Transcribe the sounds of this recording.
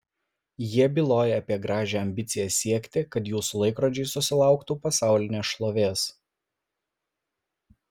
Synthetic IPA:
jiɛbʲɪlˠoːjɛɐpʲiɛɡɾɑːʒʲeːɐmʲbʲɪt̪sʲɪjɛsʲiɛkʲt̪ʲɪkɐt̪juːsʊlˠɐɪkɾɔd͡ʒʲɛɪsʊsʲɪlˠɑˑʊkt̪uːpɐsɑˑʊlʲɪnʲeːsʃlˠoːʋʲeːs

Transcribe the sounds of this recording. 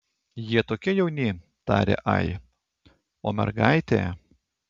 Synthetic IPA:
jiɛt̪oːkʲɛjɛʊnʲe | t̪ɑ̰ːɾʲḛːʔɑ̰ɪ | oːmʲɛ̰ɾɡɑˑɪt̪ʲḛː

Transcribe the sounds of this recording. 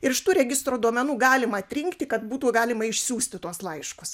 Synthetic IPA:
ɪɾɪʃt̪uːɾʲɛɡʲɪst̪ɾoːd̪uɔmʲɛnuːɡɑːlʲɪmɐɐt̪ʲɾʲɪŋkt̪ʲɪkɐt̪buːt̪uːɡɑːlʲɪmɐɪʃʲsʲuːsʲt̪ʲɪt̪uɔslˠɐɪʃkʊs

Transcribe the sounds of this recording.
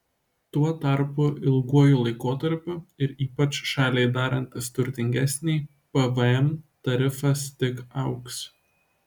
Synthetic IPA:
t̪uɔt̪ɐɾpʊʔɪlˠɡuɔjʊlˠɐɪkoːt̪ɐɾʲpʲʊɪɾiːpɐt͡ʃʃɑːlʲeɪd̪ɑːɾɐnʲt̪ʲɪst̪ʊɾʲt̪ʲɪŋʲɡʲæsʲnʲɛɪ | pɛʋɐɛmt̪ɐɾʲɪfɐst̪ʲɪkɐʊks

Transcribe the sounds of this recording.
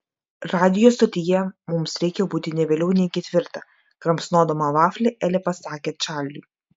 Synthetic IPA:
ɾɑːd̪ʲɪjoːst̪ɐt̪ʲɪjɛmʊmsɾʲɛɪkʲɛbuːt̪ʲɪnʲɛʋʲeːlʲɛʊnʲɛɪkʲɛt̪ʲʋʲɪɾt̪ɐ | kɾɐmsnoːd̪omɐʋɑːfʲlʲeʔɛlʲɛpɐsɑːkʲɛːt͡ʃʲæˑlʲlʲʊ

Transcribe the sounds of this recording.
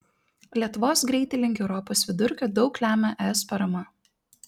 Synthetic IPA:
lʲiɛt̪ʊʋoːsɡɾʲɛɪt̪ʲɛlʲɪŋʲɡʲɛʊɾɔpoːsʋʲɪd̪ʊɾʲkʲoːd̪ɒʊklʲæːmʲɛʔɛɛspɐɾɐmɐ

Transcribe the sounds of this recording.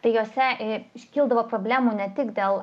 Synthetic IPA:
t̪ɐɪjoːsʲɛɪʃʲkʲiːlˠd̪ɐʋoːpɾoːbʲlʲæːmuːnʲɛt̪ʲɪkd̪ʲeːlˠ

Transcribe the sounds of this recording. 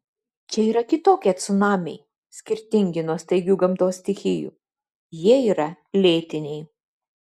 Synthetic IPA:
t͡ʃʲɛiːɾɐkʲɪt̪oːkʲiɐt̪sʊnɑːmʲḛɪ | sʲkʲɪɾʲt̪ʲɪŋʲɡʲɪnoːsʲt̪ʲɐɪɡʲuːɡɐmt̪oːsʲt̪ʲɪxʲɪjṵː | jiɛiːɾɐ | lʲeːt̪ʲɪnʲɛɪ

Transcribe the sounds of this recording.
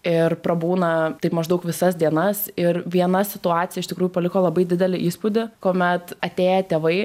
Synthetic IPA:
ɪrpɾɐbuːnɐt̪ɐɪpmɐʒd̪ɐʊkʋʲɪsɐsd̪ʲiɛnɐsɪɾʋʲiɛnɐsʲɪt̪ʊɑːt̪ʲɪjɛɪʃt̪ʲɪkɾuːjʊpɐlʲɪkoːlˠɐbɐɪd̪ʲɪd̪ʲɛlʲɪʔiːspud̪ʲɪkoːmʲɛt̪ɐt̪ʲeːjɛt̪ʲeːʋɐɪ

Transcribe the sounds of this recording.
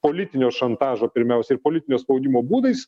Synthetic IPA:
poːlʲɪt̪ʲɪnʲoːʃɐnt̪ɑːʒoːpʲɪɾʲmʲɛʊsʲɛɪɾpoːlʲɪt̪ʲɪnʲoːspɐʊd̪ʲimoːbuːd̪ɐɪs

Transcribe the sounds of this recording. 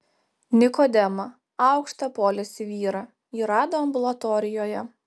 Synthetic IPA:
nʲɪkɔd̪ʲɛmɐ | ɑˑʊkʃt̪ɐpoːlʲɪsʲɪʋʲiːɾɐ | iːɾɑːd̪oːɐmbʊlˠɐt̪ɔːɾʲɪjoːjɛ

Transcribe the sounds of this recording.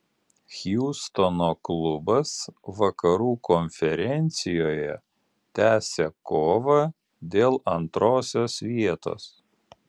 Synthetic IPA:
xʲjuːst̪ɔnoːklˠʊbɐsʋɐkɐɾuːkʰɔnʲfʲɛɾʲɛnʲt̪sʲɪjoːjɛ | t̪ʲæːsʲekoːʋɐ | d̪ʲeːlˠɐnt̪ɾoːsʲoːsʋʲiɛt̪o̰ːs

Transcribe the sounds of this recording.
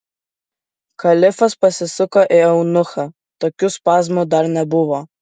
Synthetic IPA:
kɐlʲɪfɐspɐsʲɪsʊkɐʔɪɛʊnʊxɐ | t̪oːkʲuspɑːzmud̪ɐɾnʲɛbʊʋɔ

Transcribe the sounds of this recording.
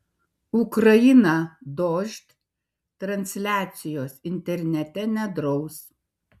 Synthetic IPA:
ʊkɾɐjɪnɑd̪oːʒʲt̪ʲ | t̪ɾɐnʲsʲlʲæːt̪sʲɪjoːsɪnʲt̪ʲɛɾʲnʲɛt̪ʲɛnʲɛd̪ɾɒʊs

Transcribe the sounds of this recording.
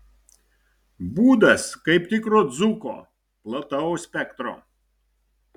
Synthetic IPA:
buːd̪ɐskɐɪpt̪ʲɪkɾoːd̪zʊko̰ː | plˠɐt̪ɐʊsʲpʲɛkt̪ɾo̰ː

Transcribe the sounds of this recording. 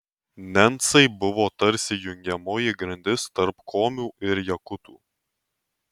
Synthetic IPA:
nʲɛnt̪sɐɪbʊʋoːt̪ɐɾʲsʲɪjʊŋʲɡʲɛmoːjɪɡɾɐnʲd̪ʲɪst̪ɐɾpkʰoːmʲuːʔɪɾjɛkʊt̪uː

